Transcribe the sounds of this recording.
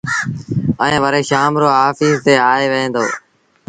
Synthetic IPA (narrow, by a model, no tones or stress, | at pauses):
əẽːʋəɾeːʃaːmɾoːɦaːfiːst̪eːaːeːʋəɦẽːnd̪o̰ː